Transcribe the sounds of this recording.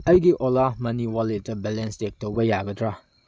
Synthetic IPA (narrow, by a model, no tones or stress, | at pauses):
ɐjɡiʔolamɐniwaletɐbɛlensdek̚towbɐjaɡɐdɾa